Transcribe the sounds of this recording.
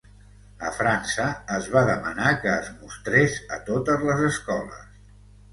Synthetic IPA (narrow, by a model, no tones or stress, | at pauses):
ə̰fɾansəːzβaðəmənakəːzmust̪ɾezə̰t̪ot̪əzləzəskɔlə̰s